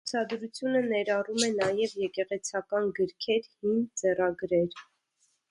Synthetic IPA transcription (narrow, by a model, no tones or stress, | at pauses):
ut͡sʰɑd̪ɾut͡sʰjunənɛɾɑrumɛnɑjɛvjɛkɛʁɛt͡sʰɑkɑnɡəɾkʰɛɾhimt͡sɛrɑɡɾɛɾ